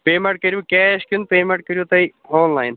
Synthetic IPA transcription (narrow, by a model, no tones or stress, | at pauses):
peːmẽɳʈ̚kɐɾjuːkɛːʃkunpeːmẽɳʈ̚kəɾjot̪ɐioːnlaːɪn